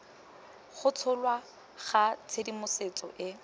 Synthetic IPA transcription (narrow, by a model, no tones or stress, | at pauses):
χʊt͡sʰʊlwa | χat͡sʰedimʊset͡sʼɔ̰ʔɪ